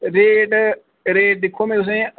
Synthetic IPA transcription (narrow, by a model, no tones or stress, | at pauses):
ɾeːɖ | ɾeːɖ̚ɗ̪ɪkʰːoːmẽt̪ʊs̬ẽː